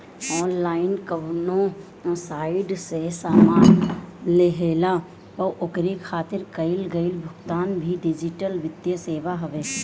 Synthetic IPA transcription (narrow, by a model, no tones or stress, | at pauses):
ɔːnlaːɪnkəɦnõ | saːɪɖsesaːmaːnleɦeːla | pɐʔʊkɾikʰaːt̪ɪɾkɐɪlɡəɪlbʱʊkt̪aːnbʱiɖɪd͡ʒɪʈəlʋɪt̪jəseːʋaɦɐʋeː